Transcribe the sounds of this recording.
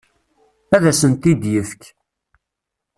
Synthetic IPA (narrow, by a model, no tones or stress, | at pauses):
æðæsənt̪id̪jəfk